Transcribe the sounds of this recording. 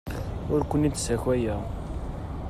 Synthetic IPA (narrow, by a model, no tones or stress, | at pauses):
ʊɾkʷənːit̪ːsæçæjæ